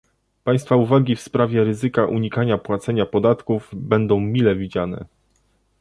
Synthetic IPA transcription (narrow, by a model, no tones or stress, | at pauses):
paj̃st̪fauvaɡʲifspɾavʲjɛɾɘzɘkaʔuɲikaɲapwat̪sɛɲapɔd̪at̪kuvbɛnd̪ɔ̃w̃mʲilɛvʲid͡ʑanɛ̰